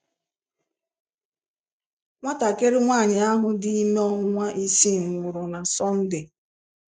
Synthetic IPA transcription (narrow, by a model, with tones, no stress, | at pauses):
ŋʷa˦ta˨ke˦ɾɪ˦ŋʷaː˦˨ɲɪ˨a˦ɦʊ˨dɪ˦i˦me˦ɔ˦ɦʊ˦ŋʷa˦ʔi˦si˦ŋ̩˨ŋʊ˨ɾʊ˨na˨sɔ˦n̩˦dɪ˨